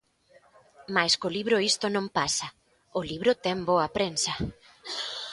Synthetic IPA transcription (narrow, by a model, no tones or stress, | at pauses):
majskoliβɾʊist̪ʊnõmpasɐ | ʊliβɾʊt̪ɛŋboɐpɾensɐ